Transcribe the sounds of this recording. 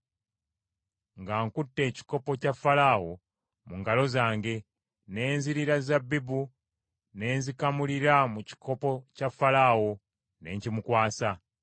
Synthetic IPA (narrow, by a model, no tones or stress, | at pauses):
ŋɡaːŋkutːe̞ːci̥ko̞po̞cafːalaːwo̞ | muŋɡalo̞zaːŋɡe̞ | ne̞ːnziɾiɾazabːibu | ne̞ːnzikamuliɾamuci̥kʰo̞po̞cafːalawo̞ | ne̞ːɲcimukwaːsa